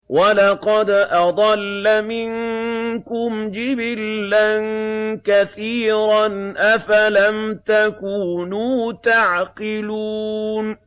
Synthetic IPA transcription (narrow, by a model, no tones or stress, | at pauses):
walɑqɑd̪ʔɑd̪ˤɑlːamɪnkʊmd͡ʒɪbɪlːankaθiːɾanʔafalamt̪akuːnuːt̪aʕqɪluːn